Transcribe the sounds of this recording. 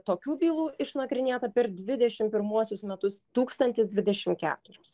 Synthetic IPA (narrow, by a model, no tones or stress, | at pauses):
t̪oːkʲuːbʲiːlˠuːɪʃnɐkɾʲɪnʲeːt̪ɐpʲɛɾd̪ʲʋʲɪd̪ʲɛʃʲɪmpʲɪɾmuɔsʲʊsmʲɛt̪ʊst̪uːkst̪ɐnʲt̪ʲɪsd̪ʲʋʲɪd̪ʲɛʃʲɪmkʲæ̰ːt̪ʊɾʲʊs